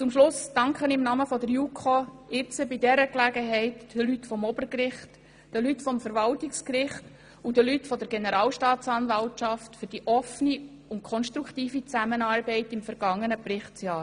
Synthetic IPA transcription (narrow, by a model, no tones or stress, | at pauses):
t͡sʊmʃlʊsd̥ɑŋkχənɪmnɑməfɔdəɾjukʰoɪt͡səbidɛɾəklæɡəɦɛɪtd̥əlytfɔmɔb̥əɾkɾɪχt | d̥əlytfɔmfəɾvɑltɪkskɾɪχt | udəlytfɔdəɾɡ̥enəɾɑːlʃtɑːt͡sɑnvɑltʃɑftfʏɾd̥iʔɔfəni | ʊntkʰɔnʃtɾukχtiːfit͡sæmənɑːɾbɛɪtɪmfəɾɡ̥ɑŋːənəprɪχtsjɑːɾ